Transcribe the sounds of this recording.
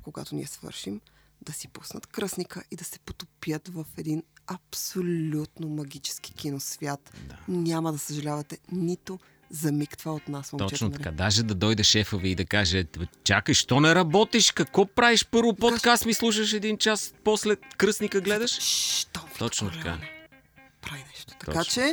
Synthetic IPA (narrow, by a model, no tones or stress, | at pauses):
koɡa̰t̪ʊnḭɛsvə̰ɾʃim | d̪̥ɐsi̥pusnɐt̪kɾəsnikəʔid̪ɐsɛ̥po̥t̪o̥pijət̪vɐfɛd̪inɐpsolʲut̪nomɐɡʲit͡ʃɛ̥sk̟i̥k̟ʲinosvʲjat̪d̪anʲamɐd̪ɐsəʒɐlʲavɐt̪ɛnit̪o | zɐmikt̪vəot̪nasot͡ʃɛt͡ʃ̪t̪ɐkad̪aʒɛd̪ɐd̪ɔjd̪ɛʃɛfovɛid̪ɐkaʒɛt͡ʃakəʃt̪ɔnɛɾɐbɔt̪iʃkɐkvɔpɾaviʃpɤɾvop̪pokast̪mislˠuʃ̬əʃ̬ɛd̪int͡ʃaspɔslɛkɾɤsnikəɡlɛd̪ɐʃʃt̪ɔt̪ɔt͡ʃnot̪ɐka̰ɛ | pɾainɛʃt̪o̥t̪ɐkat͡ʃɛ